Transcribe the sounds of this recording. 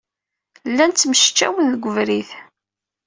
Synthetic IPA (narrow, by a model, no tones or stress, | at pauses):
lːænt͡s̪ːməʃə̥t͡ʃːæ̰wənðɡʷːəvɾiθ